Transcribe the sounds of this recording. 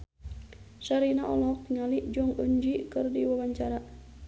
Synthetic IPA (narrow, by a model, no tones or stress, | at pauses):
ʃaɾinaʔɔlɔk̚ŋaliʔd͡ʒɔŋuɲd͡ʒikɨrdiwawaɲt͡ʃaɾa